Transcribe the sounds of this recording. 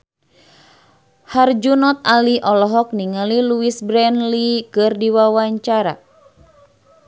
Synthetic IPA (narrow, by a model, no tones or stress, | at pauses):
hard͡ʒunɔt̪̚aliʔɔlɔɦɔk̚niŋaliluisbɾɛnlikɨrdiwawaɲt͡ʃaɾa̰